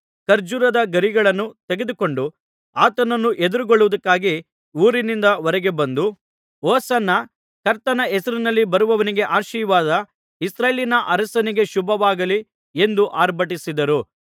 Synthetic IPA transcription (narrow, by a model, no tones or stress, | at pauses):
kɐɾd͡ʒuɾɐd̪ɐɡɐɾiɡɐɭɐnːut̪eɡe̞d̪uko̞ɳɖu | aːt̪ɐnɐnːuʔed̪uɾuɡoɭːuʋud̪ɐkːaːɡi | uːɾinind̪ɐʋɔɾɛɡe̞bɐnd̪u | ɔːsɐnːɐ | kɐɾt̪ɐnɐɛsɐɾinɐlːibɐɾuʋɐʋɐniɡe̞ʔaːɾʃiːʋaːd̪ɐ | isɾaːjlinɐʔɐɾɐsɐniɡe̞ʃubʱɐʋaːɡɐli | e̞nd̪uʔaːɾbʱɐʈisid̪ɐɾu